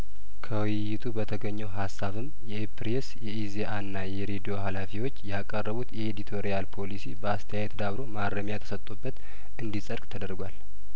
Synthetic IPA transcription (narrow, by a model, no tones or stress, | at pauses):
kʰəwɪjːɪt̪ʰubət̪ʰəɡəɲːɛwɦasːaβɨmjɛpɾesjɛʔizeʔanːajɛɾed̪ijo̞ɦalafiwo̞t͡ʃːjakʼərːəβut̪jɛed̪it̪ʰo̞ɾijalpʰo̞lisibəast̪ʰəjajɛt̪d̪aβɾo̞maɾːəmjat̪ʰə̥sət̪ʼubːət̪ | ʔɨnd̪isʼəɾkʼt̪ʰəd̪əɾɡʷal